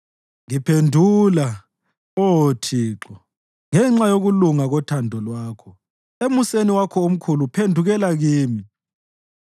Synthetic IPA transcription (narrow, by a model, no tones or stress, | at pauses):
ŋipʰendʱuːla | otʰiːǁɔ | ŋɛŋ͡ǁajoɣuluŋaɣɔtʰandʱɔlwaːkʰɔ | emuseniwakʰɔom̩kʰulupʰendʱuɣɛlaɣiːmi